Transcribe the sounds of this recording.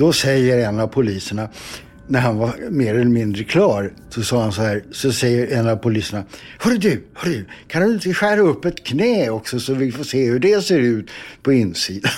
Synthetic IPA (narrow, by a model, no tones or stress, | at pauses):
d̪̥ɔsɛjːəɾɛnːavpʰʊliːsəɳa | næɾhanvameːɾɛlɛmɪnd̪ɾəkʰlɑːɾ | sɔsɑːɾhansɔhæːɾsɔsɛjːəɾɛnːavpʊliːsəɳa | hɵɾɛd̪ʉhœɾɛd̪ʉkʰand̪ɵɪnt̪əɧæːɾaɵpːɛt̪kʰnɛːɔksɔsɔvɪlfoːseːhɵɖɛseːɾʉ̟ːt̪pʰɔɪnːsiːd̪a